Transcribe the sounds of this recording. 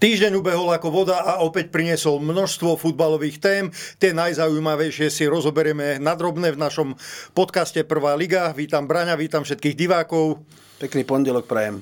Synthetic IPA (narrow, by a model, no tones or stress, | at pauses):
t̪iːʒɟɛɲubɛɦɔlakɔʋɔd̪aʔaɔpɛc̚pɾiɲɪɛsɔlmnɔʃst̪ʋɔfud̪̚balɔʋiːxt̪ɛːmt̪ɪɛnajzaujmaʋɛjʃɪɛsiɾɔzɔbɛɾɪɛmɛnad̪ɾɔbnɛvnaʃɔmpɔt̪kascɛpr̩ʋaːliɡaʋiːt̪ambɾaɲaʋiːt̪amfʃɛt̪kiːɣɟiʋaːkɔʊ | pɛkniːpɔɲɟɛlɔk̚pɾɛjɛm